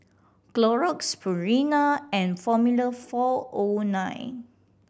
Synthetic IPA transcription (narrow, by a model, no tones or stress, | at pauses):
klɔɹɔkspʰəɹinaɛ̃nfɔmuləfɔonãjn